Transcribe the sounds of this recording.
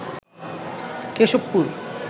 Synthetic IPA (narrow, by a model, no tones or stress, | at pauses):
keʃopːuɾ